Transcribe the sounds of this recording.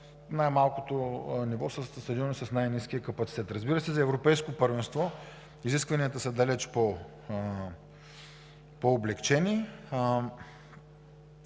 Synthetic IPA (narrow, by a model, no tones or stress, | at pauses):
najmalˠkot̪onivɔsəssɐd̪inisɐsnajnisk̟ʲijəkɐpɐt̪sit̪ɛt̪ɾɐzbiɾəsɛzɐɛvɾopɛjskopəɾvɛnst̪vɔ | iziskvɐniət̪əsɐd̪alɛt͡ʃpo | poːblɛkt͡ʃɛni